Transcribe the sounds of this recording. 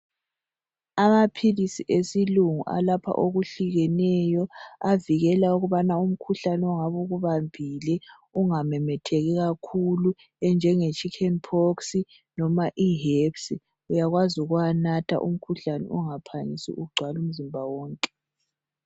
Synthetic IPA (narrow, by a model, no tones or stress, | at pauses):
amapʰilisiʔesiluŋṵʔa̰lapʰa̰ʔoɣuɬiɣɛnɛjɔaviɣɛlauɣuβanaum̩kʰuɬanɛɔŋaβuɣuβambʱilɛ | uŋamɛmɛtʰɛɣɛɣakʰulu | ɛnd͡ʒʱɛŋet͡ʃʼikʰɛnpʰoksi | nɔmaʔiɦepsi | ujaɣwazuɣuwanatʰa̰ʔṵm̩kʰuɬanɛ̰ʔuŋapʰanḭsḭʔuɡ͡ǀʱwalum̩zimbʱawɔːŋkʼɛ̥